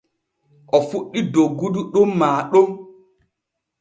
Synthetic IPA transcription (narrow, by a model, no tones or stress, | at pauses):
ʔɔfuɗːidoɡuduɗomːaːɗom